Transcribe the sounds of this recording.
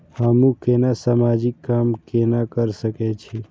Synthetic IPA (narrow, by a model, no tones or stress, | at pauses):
hamũkenasamaːd͡ʒɪkːaːmkenakəɾsəket͡ʃʰi